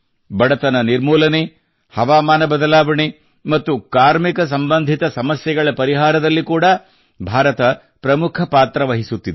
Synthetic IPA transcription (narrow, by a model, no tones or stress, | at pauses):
bɐɽɐt̪ɐnɐniɾmuːlɐne | hɐʋaːmaːnɐbɐd̪ɐlaːʋɐɳe | mɐt̪ːukaːɾmikɐs̬ɐmbɐnd̪ʱit̪ɐsɐmɐsjɐɡɐɭɐpɐɾiɦaːɾɐd̪ɐlːikuːɽɐ | bʱaːɾɐt̪ɐ | pɾɐmukʰɐpaːt̪ɾɐʋɐɦisut̪ːid̪e